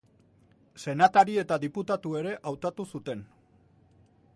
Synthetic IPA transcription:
se̞nat̪aɾie̞t̪aðiput̪at̪ue̞ɾe̞ʔawt̪at̪usut̪e̞n

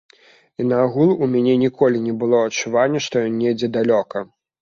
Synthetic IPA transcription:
inɐːɣulˠumʲanʲɛnʲikʰɔlʲinʲɛbɨlˠɔɐt͡ʂːuvanʲːɛʂt̪ɔjɔnʲːɛd͡zʲɛd̪alʲɔkɐ

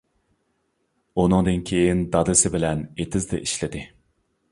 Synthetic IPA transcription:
unɨŋd̪ɨnkʲʰejind̪ɑd̪ɪsɪbɪlɛnet̪ʰɪzd̪ɛ̰ʔiʃlɪd̪ɪ

